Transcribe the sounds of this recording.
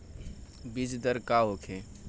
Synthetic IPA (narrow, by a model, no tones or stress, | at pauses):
bid͡ʒd̪əɾkaɦokʰe